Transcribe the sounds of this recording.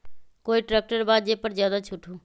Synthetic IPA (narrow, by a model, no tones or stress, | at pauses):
koːiʈɾɛːk̚ʈəɾbaːd̪d͡ʒeːpəɾzjaːd̪at͡ʃʰʊʈʰuː